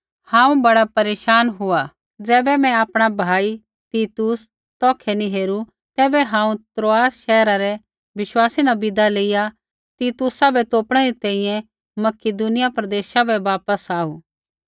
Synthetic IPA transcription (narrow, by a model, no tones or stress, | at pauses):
hãːũbɐɽapɐɾeːʃaːnɦʊa | d͡zɛːbɛmɛ̃aːpɽ̃abʱaːi | t̪iːt̪us | t̪ɔːkʰɛniɦeːɾu | t̪ɛːbɛɦãːũt̪ɾoːaːsʃɛːɾaɾɛ | ʋɪʃwaːsinabɪd̪aleːija | t̪iːt̪ʊsabɛt̪oːpɽ̃ɛɾit̪ɛ̃ːĩjɛ̃ | mɐkɪd̪unɪjapɾɐd̪eːʃabɛʋaːpəsaːṵː